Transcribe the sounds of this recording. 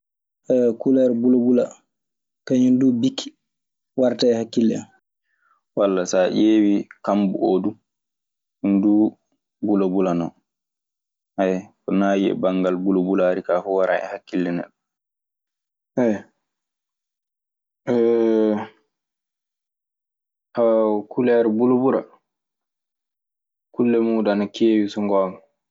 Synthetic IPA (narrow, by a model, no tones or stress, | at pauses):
ʔɛkulaɾbulobula | kaɲundubikʰːi̥ | waɾtaɛhakːilːɛ̰ | walːasaʔeːwikambṵʔodu | undu | bulobulanɔ | ʔɛjkɔnaːjiɛ̰baŋɡalbulobulaɾikaːfɔwaɾaʔɛ̰hakːilːɛnɛ̰ɗɔ | ʔɛj | ʔɛ | hawkulɛɾibulobuɾa̰ | kulːɛmuːdanakeːwisɔŋɡɔma